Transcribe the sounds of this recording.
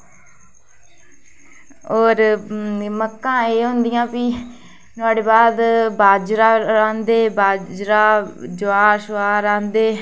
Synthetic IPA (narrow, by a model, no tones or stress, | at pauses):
oːɾ | məkːãːeːɦʊ̃nd̪ɪjãːpɪ | t̪ʊaːɽeːbaːd̪baːd͡ʒɾaːɾãːnd̪eːbaːd͡ʒɾaːd͡ʒʊaːʃʊaːɾãːnd̪eː